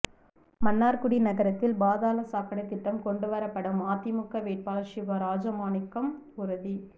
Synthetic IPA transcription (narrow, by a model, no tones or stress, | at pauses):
mɐnːaːɾkʊɽinɐɣɐɾɐt̪ːɪlbaːðaːlɐsaːkɐɽɐɪt̪ːɪʈːɐmkɔɳɖɯʋɐɾɐpːɐɽɯmaːt̪ːimʊkːɐʋeːʈ̚paːlɐʃɪʋɐɾaːd͡ʒɐmaːnɪkːɐm | ʊɾɐði